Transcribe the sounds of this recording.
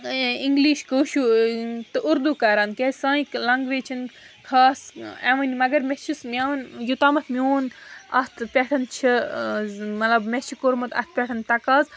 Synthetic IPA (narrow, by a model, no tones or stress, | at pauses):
iŋɡliːʃkəʃut̪ɨʔuɾd̪ukaːɾaːnkʲesãːiklɐŋɡʋet͡ʃʰin | kʰaːseʋɐnmɐɡɐɾmet͡ʃʰismʲanjut̪aːmɐt̪ʰmʲjoːnɐst̪ʰpʲeʈʰɐnt͡ʃʰi | mɐlɐbmesikoɾmɐt̪ɐ̰st̪̚ʰpʲeʈʰɐnt̪ɐkaːz